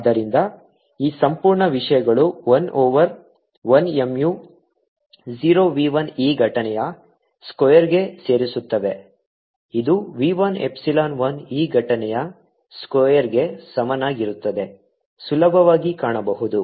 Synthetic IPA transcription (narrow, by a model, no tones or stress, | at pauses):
ɐd̪ɐɾind̪ɐ | iːsɐmpuːɾɳɐʋiʂɐjɐɡɐɭuʋɐnʔɔːʋɐɾ | ʋɐnemju | ziːɾoːʋiːʋɐniːɡʱɐʈɐnɛjɐ | skojɐɾɡe̞se̞ːɾisut̪ːɐʋe̞ | id̪uʋiːʋɐne̞̰psilaːnʋɐniːɡʱɐʈɐnɛjɐ | skɔːjɐɾɡe̞sɐmɐnaːɡiɾut̪ːɐd̪e̞ | sulɐbʱɐʋaːɡikaːɳɐbɐɦud̪u